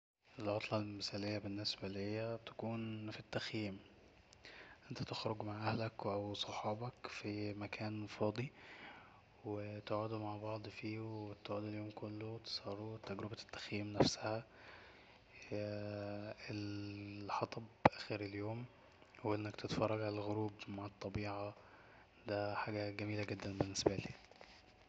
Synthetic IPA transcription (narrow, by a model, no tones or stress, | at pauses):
ʔelʕot̪ˤlɑlmɪsælejːæbenːesbælihejːæbt̪æ̥kuːnfit̪ːæxjiːm | ʔent̪æ̥t̪exɾoɡmaʕʔæhlækwʔæwsˤoħɑːbɑkfimækʰæːnfɑːd̪ˤi | wet̪oʕud̪umaʕbɑʕd̪ˤfiːwet̪oʕuːd̪eljoːmkolːot̪e̥sˤɑːɾˤuwt̪ːæɡɾebæt̪ːæ̥xjiːmnæfsæhæ | elħɑt̪ˤɑbʔæxiɾeljoːm | hoʔenːækt̪et̪fɑrˤːɑɡʕalælɣoɾuːbmaʕɑt̪ˤːɑbiːʕɑ | d̪æħaːɡæɡæmiːlæɡed̪ːænbenːesbæliː